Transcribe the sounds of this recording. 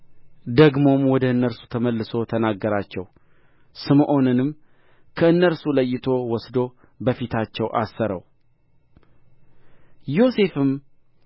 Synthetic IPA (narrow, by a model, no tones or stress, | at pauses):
d̪əɡmo̞mwɔd̪əɨnːəɾsu̥t̪ʰəməlːɨso̞t̪ʰənaɡːəɾat͡ʃːɛw | sɨmʔo̞nɨnɨm | kʰəɨnːəɾsuləjːɪt̪ʰo̞wɔsd̪o̞ | bəfit̪ʰat͡ʃːɛwʔa̰sːəɾə̰w | jo̞se̞fɨm